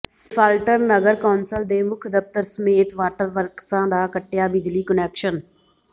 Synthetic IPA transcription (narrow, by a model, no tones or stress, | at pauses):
pʰalʈəɾnəɡəɾkaːnsəld̪eːmʊkʰd̪əft̪əɾsəmeːt̪ʋaːʈəɾʋəɾksãːd̪aːkəʈːjaːbɪd͡ʒliːkənɛːkʃən